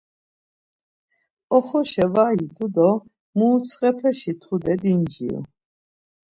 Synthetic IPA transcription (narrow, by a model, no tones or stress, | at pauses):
ɔχɔʃɛvajid̪ud̪ɔ | mut͡sʰqʼɛpʰɛʃit̪ʰud̪ɛd̪ind͡ʒḭṵ